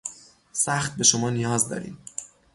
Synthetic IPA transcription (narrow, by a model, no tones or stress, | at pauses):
sæxt̪̚be̞ʃomɒːnijɒːzd̪ɒ̰ːɾḭːm